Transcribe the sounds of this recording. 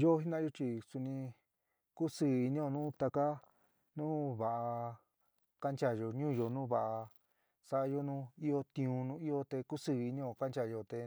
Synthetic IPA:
jo˦ɦi˦nã˦jo˧˦t͡ʃi˧su˧nĩ˧ | ku˦sɨː˧˨i˧nĩ˦o˧nũ˦t̪a˧ka˦ | nũː˦βa˨ʔa˧ | ka˦nt͡ʃa˧˨jo˧ɲũː˦˨jo˧nũː˦βa˧˨ʔa˧ | sa˧ʔa˧jo˦nũ˦i˦o˧t̪ĩ˧ũ˧nũ˦i˦o˧t̪e˧ku˦sɨ˧˨i˧nĩ˦o˧˨ka˦nt͡ʃa˧˨jo˧t̪e˧

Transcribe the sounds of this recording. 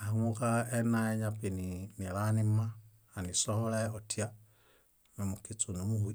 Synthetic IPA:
aŋu˦ka˦e˦na˦e˦ɲapi˨nini˨lani˦ma˦ | a˨ni˨soho˦le˦o˨tja | ni˨mukit͡su˨nimu˦hu˨i

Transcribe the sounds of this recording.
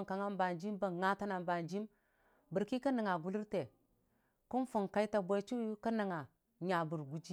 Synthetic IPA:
ŋka˨ŋa˦mba˨nd͡ʒi˦mba˨ŋa˦ta˦na˨mba˨nd͡ʒi˦m | bə˨ɾki˦ka˦nə˨ŋa˨ɡu˦li˦ɾte˨ | ku˦nfu˨ŋka˦i˦ta˨bʷa˦t͡ʃu˦ka˦nə˨ŋa˨ | ɲa˨bu˨ɾɡu˦d͡ʒi˦

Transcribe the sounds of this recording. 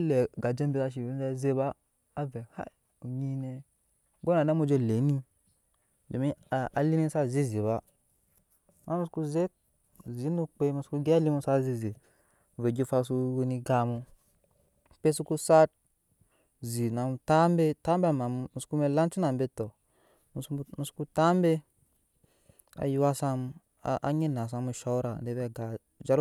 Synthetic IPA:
le˨ɡa˨d͡ʒe˦mbe˦a˨ʃ̬i˨i˦za˦ze˦ba˦ | a˦ve˨ha̰˦˨ | u˨ɲi˦ne˦ | ɡo˦na˨na˦mo˦d͡ʒo˧le˨˦ni˦ | d͡ʒo˨mi˦˨a˨li˦ne˦sa˦zi˦zi˨ba˦ | ma˦mu˦sku˦ze˦ | zi˨˦nu˦k͡pe˦mu˧˨sku˦ɡli˦mu˦sa˦zi˦zi˨ | ve˨ɡi˦fa˦su˦wu˦ni˦ɡa˨mu˦ | pe˦su˦ku˦sa˦t̚ | zi˨na˨mu˨ta˦mbe˦ta˦mba˦˨ma˨m˨mu˨sku˦me˦la˦nt͡ʃu˦na˨mbe˦to˨ | mu˨smu˨su̥˦ku˦ta˦mbe˦ | a̰˨ju˦wa˦sa˦m˦ | ʔa̰˦ɲi˦na˨s̬a˦mu˦ʃa˦u˦ɾa˨de˦be˦˨ɡa˨ | d͡ʒa˦ɾ

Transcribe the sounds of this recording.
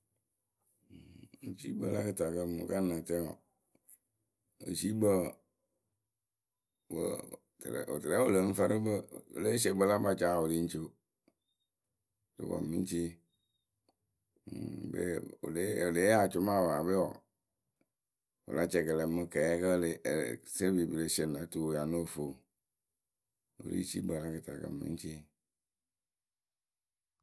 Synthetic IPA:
t͡ʃi˦bə˨la˦kɨ˦ta˨kə˦mu˨ka˦nə˨tɛ˦ɔ̰˨ | o̰˨t͡ʃi˦bə˦ | bə̰˨ | tl̰o̰˨tɨ˨ɾɛ˦o˦lə˨˦ɱ̩˦fa˦ɾɨ˦bə˦˨o̰˨le˦se˨bə˦la˦ba˨t͡ʃa˦˨o˨li˦n̩˦t͡ʃo˦˨ | to̰˨˦ba̰˨mi˦n˦t͡ʃi˦ | bḛ˦o̰˨le˦o˨le˨˦a˨t͡ʃʊ˦ma˦˨wa˨be˦ɔ̰˨ | o̰˨la˨t͡ʃɛ˨kə˨lɛ˨˦mɨ˨kɛ˨ɛ˦kə˦le˨se˦bi˨bi˨le˨˦se˨na˨˦tu˨ja˨no˦˨fo˨ | o̰˨lḭ˦t͡ʃḭ˦ɡ͡ba˨la˦kə˨ta˨kə̰˨m̩˨ḭ˦t͡ʃi˦

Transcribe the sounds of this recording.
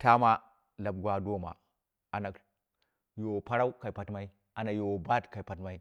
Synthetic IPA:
ta˦ma˦ | la˨b̚ɡʷa˦do˦ma̰˨ | a˨na˨k | jo˨wo˨pa˦ɾa˦u˦ka˨i˨pa˨tma˦i˦ | a˨na˨jo˨wo˨ba˦tka˨i˨pa˨tma˦i˦

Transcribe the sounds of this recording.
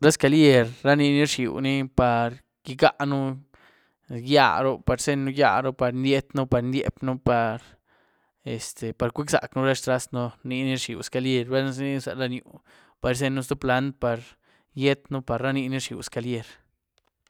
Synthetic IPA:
ɾa˦ska˨˧lje˦˧ɾɾa˦ni˧ni˦ʂḭ˨wni˦pa˨ɾ | ɡ̥i˧ɡa˦ʔnu˦ | ja̰˦ɾo˦pa˨ɾse˦nːu˦ja̰˧ɾo˦pa˨ɾnd̪ʲje˦t̪nu˦pa˧ɾnd̪jḛ˧˦pnu˦pa˨ɾ | e˨st̪e˨pa˨ɾkʷi˦ksa̰˨knu˦ɾa˦ʂt̪ɾa˦snu˦ni˧ni˦ʂḭ˨wska˧lje˦˧ɾbe˦n˧˦sni˦sa̰˧la˦˧njṵ˨ | pa˨ɾs̬e˦˧nːu˦st̪o˦pla˧˦nd̪̚pa˨ɾ | je˦t̪nu˦pa˨ɾːa˦ni˧ni˦ʂḭ˨wska˧lje˦˧ɾ

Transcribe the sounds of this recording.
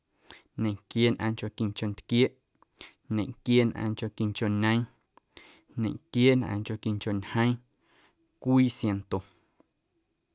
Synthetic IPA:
nẽ˨ŋkje˦nʔã̰˧ŋt͡ʃo˧˨ki˧ŋt͡ʃo˧nt̪kje˦ʔ | ɲẽ˨ŋkjeː˦nʔã̰ː˧ŋko˧˨ki˧ŋt͡ʃo˧ɲə̃˦ĩ˦ | nẽ˨ŋkjeː˦nʔã̰ː˧ŋt͡ʃo˧˨ki˧ŋt͡ʃo˨ɲhə̃˦ĩ˦ | kʷiː˦sje˧nt̪o˨

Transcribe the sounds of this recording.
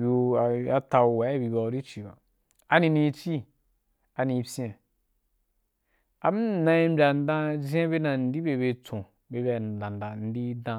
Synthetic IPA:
ju˧a˨˦a˧ta˧u˧wa˨˦˨bi˧ba˧u˧˦ɾi˦t͡ʃi˨ba̰˨ | a˨nĩ˧ni˧˦t͡ʃi˦ | a˨ni˧pʲẽ˨ | a˨m˦nã˧i˦m˦bʲa˨n̩˦dã˦zʲẽ˦be˦na˨n̩˦di˦be˧be˧t͡sõ˨ | be˧˦bʲa˨n˨dã˨n˨da˨n̩˦di˦dã˧

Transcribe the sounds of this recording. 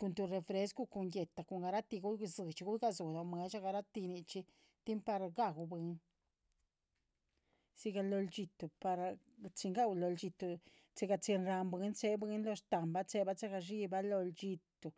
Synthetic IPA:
ku˧nt̪u˧ɾe˧fɾe˧˦sku˦ku˧nje˨t̪a˨ko˨ŋɡa˧ɾa˦t̪i˧ɡu˦˧zɨ˨t͡ʃi˧ɡu˦jɡa˧zo˨d̪o˨me˧ʃa˦ɡa˧ɾa˦t̪i˧ni˧t͡ʃi˧ | t̪i˦mpa˧ɾɡa˧ɡu˧be˧n | si˧ɡa˧lo˧ld͡ʒi˧t̪u˨pa˧ɾ | t͡si˧ŋɡa˦wlo˧ld͡ʒi˧t̪u˧ | t͡se˧ɡa˧t͡se˧nɾa˧mbe˦nt͡se˧be˦nlo˧ʃt̪a˨mba˦t͡se˦ba˦t͡se˦ɡa˧ʃi˦ba˦lo˧lt͡ʃi˧t̪u˨

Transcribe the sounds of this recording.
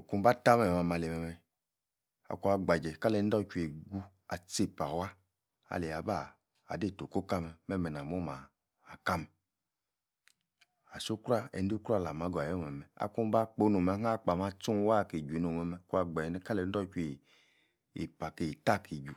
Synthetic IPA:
ku˦ba˦ta˦mɛ˨mɛ˨ma˨ma˨le˨mɛ˨mɛ˨ | a̰˨ku˦a˨ɡ͡ba˨d͡ʒɛ˨ka˦le˨˦dɔ˦t͡ʃu˦e˨ɡu˦ | a˨t͡se˦pa˨wa˦ | a̰˨le˨a˨ba˦˨ | a̰˨de˦˨to˨ko˦ka˦mɛ˨mɛ˦mɛ˨na˨m˦o˦maː˨ | ka˦mɛ˨ | a˨so˦kɾa˦ɛ̰˨n˦du˦kɾa˦˨la˨ma˨˦ɡo˨a˨jɔ˦mɛ˨mɛ˨a̰˨ku˦m˦ba˦k͡po˨˦no˨mɛ˨˦ɦa˦˨k͡pa˨ma˦t͡su˦n˦wa˦˨ke˨d͡ʒu˨˦no˨mɛ˨mɛ˨ku˦a˧ɡ͡ba˨ɛ˨nɛ˦ka˦lɛ˨˦n̩˦ɔ˦t͡ʃu˦e˨ | ḛ˨pa˨ke˨ta˦ki˨d͡ʒu˨

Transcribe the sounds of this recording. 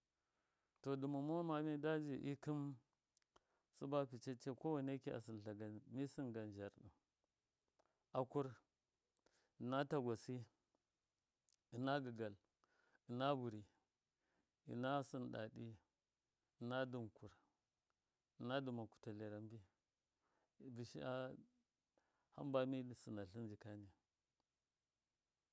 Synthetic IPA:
to˨du˨ma˨mo˦ma˨mi˦da˦d͡ʒi˨ʔḭ˦ki˦m | su˦ba˦pi˨t͡ʃe˦t͡ʃe˦ko˦wa˨ne˦ki˦a̰˨s̬i˨n˨ɬa˨ɡa˨mi˦si˦nɡa˨n˨d͡ʒa˨ɾɗḭ˨m | a˨ku˦ɾ | i˨na˦ta˨ɡʷa˨si˦ | i˨na˦ɡə˨ɡa˨l | i˨na˦bu˨ɾi˨ | ḭ˨na˦si˦nɗa̰˨ɗi˦ | i˨na˦du˨mku˨ɾ | i˨na˦du˨ma˨ku̥˨ta˨le˨ɾa˨mbi˦˨ | bi˨ʃḭ˦a˦ | ha̰˦mba˦mi˦˨si˨na˨ɬi˦nd͡ʒi˨ka˦ni˨

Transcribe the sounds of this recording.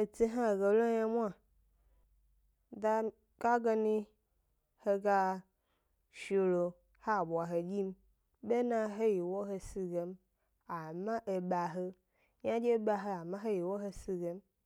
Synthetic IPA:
e˨ti˦ɦa˦˨ɡe˨lo˦ɲa˦mʷ˦a˦ | da˦ | ka˦ɡa˧nĩ˦ | he˧ɡa˦ | ʃo˧lo˨ | ha˦˨bʷa˨ɦe˨ɡʲi˦m˦ | be˦nã˦ɦe˦ji˨wo˦ɦe˧si˦˧ɡe˨m | a˨mã˦ʔe˨ɓa˨ɦe˦ | ɲã˦d͡ʒe˦ɓa˧ɦe˦a˨mã˦ɦe˦ji˨wo˦ɦe˧si˧ɡe˨m

